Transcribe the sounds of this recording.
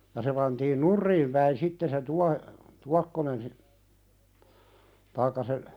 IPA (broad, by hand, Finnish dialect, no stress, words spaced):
jɑ se pɑntiːn nurːiːm pæin sitːe se tuɑ tuɑkːonen si tɑikːɑ se